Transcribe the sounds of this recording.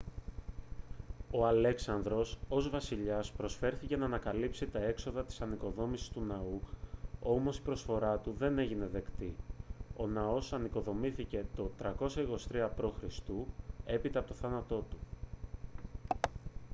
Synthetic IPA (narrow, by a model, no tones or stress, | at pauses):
o̞ɐle̞ksɐnðɾo̞so̞zvɐsiʎɐspɾo̞sfe̞ɾθice̞nɐːnɐkɐlipsit̪ɐe̞kso̞ðɐt̪i̥sɐniko̞ðo̞misi̥st̪unɐu | o̞mo̞si̥pɾo̞sfo̞ɾɐt̪uðe̞ne̞ʝine̞ðe̞kt̪io̞nɐo̞sɐniko̞ðo̞miθice̞t̪o̞t̪ɾɐko̞sɐiko̞st̪ɾiɐpɾo̞xɾist̪ue̞pit̪ɐpot̪oθɐnɐt̪o̞t̪u̥